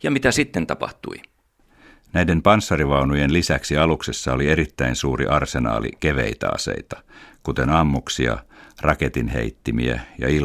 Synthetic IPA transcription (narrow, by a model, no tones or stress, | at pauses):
jɑmit̪æsit̪ːent̪ɑpɑ̰ht̪ṵi | næjde̞mpɑnsːɑriʋɑunujenlisæksiɑluksesːɑolie̞ɾit̪ːæinsuːɾḭʔɑrsenɑ̰ːlḭkeʋḛit̪æ̰ɑ̰se̞̰it̪ɑ̥kut̪e̞nɑmːuksiɑ̰rʔɑket̪inɦḛit̪ːimiæ̰jɑ̰il